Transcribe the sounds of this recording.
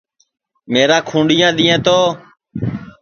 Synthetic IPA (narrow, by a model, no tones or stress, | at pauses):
meːɾãːkʰũːɳɖijãːɗ̪ĩːẽːt̪oː